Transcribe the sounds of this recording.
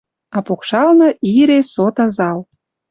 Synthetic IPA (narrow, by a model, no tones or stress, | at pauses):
ɑpokʃɑlnə̆iɾesot̪ɑzɑl